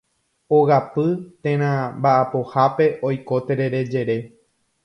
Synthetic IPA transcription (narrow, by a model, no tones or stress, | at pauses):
oɣapɨt̪ẽɾ̃ãmbaʔapohape̞ʔojko̞t̪eɾeɾe̞d͡ʒe̞ɾe̞